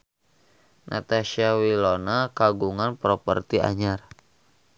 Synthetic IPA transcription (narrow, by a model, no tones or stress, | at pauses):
nʔa̰t̪aʃiawilonakaɡuŋanpɾɔpə̰rt̪ia̰ɲar